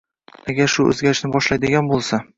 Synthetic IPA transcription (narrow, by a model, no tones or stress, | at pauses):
aɡʲaɾʃʊɵ̰zɡʲaɾɪʃnɪbɒʃlajd̪ɪɡʲanbolˠsa